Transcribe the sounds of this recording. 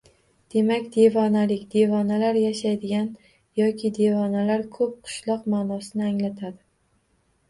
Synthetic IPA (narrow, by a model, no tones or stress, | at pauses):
d̪̥e̞makʲd̪e̞vɒnalɪkʲd̪e̞vɒnalaɾjaʃajd̪ɪɡʲan | jɒkʲʰɪd̪e̞vɒnalaɾkʰɵp̚qʰʊ̥ʃlˠɒqmaːnɒsɪnɪaŋlat̪ʰad̪ɪ